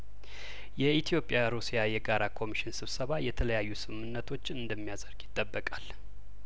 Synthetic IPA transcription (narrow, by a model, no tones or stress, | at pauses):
jɛʔit̪ʰijo̞pʼːjaɾusijajɛɡaɾakʰo̞miʃɪnsɨβsəβajɛt̪ʰələjajːusɨmɨmɨnːət̪ʰo̞t͡ʃːɨnd̪əmːijazəɾɡjɪt̪ʼːəbːəkʼal